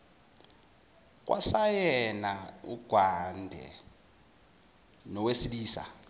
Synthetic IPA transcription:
k̬wʔa̰sajɛnaṵɡ̥ʱwandʱɛ̰ | nɔwesiliːsa̰

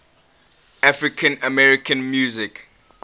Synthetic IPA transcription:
afɹɪkʰə̃nəmɛɹɪkʰə̃nmjuːzɪk

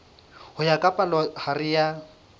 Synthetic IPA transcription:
hʊjakʼapʼalɔharɪja

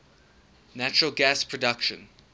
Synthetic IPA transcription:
næt͡ʃəɹəlˠɡæspʰɹ̥ɔdʌkʃə̰̃n

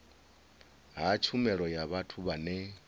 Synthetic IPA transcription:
ɦat͡ʃʰumɛɺɔjaβatʰuβanɛ

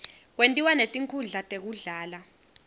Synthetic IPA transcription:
k̬wentʼiwanetʼiŋkʰuɮatʼek̬uɮaːla

